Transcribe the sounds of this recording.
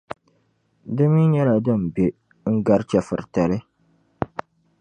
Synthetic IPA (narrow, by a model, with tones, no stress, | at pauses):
dɨ˦mi˦ɲɛ˦la˨dɨ˦˨m̩˨be˨ | ŋ̩˦ɡa˦ɾt͡ʃɛ˨fɨ̰˨ɾta˨lɨ˦